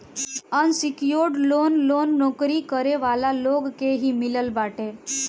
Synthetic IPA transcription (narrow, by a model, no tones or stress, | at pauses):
ənsikjoɽlonlonːɔkɾikəɾeʋalaloɡkeɦiːmiləlbaʈe